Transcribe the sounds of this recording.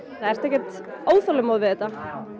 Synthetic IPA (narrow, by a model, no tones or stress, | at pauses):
θaɛɾr̥t̪ɛhcːɛ̥ɾ̥t̪ | oːwθalʏmoðvɪðɛt̪ːa